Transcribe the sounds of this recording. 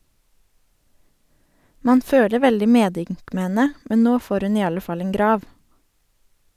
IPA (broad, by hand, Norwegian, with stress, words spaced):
ˈmɑːn ˈføːlə ˈʋɛldɪ ˈmeːˌdʏŋk ˈmeː ˈhɛnə ˈmɛn ˈnoː ˈfoːɾ ˈʉn ˈiː ˈɑlə ˈfɑl ˈeːŋ ˈɡɾɑːʋ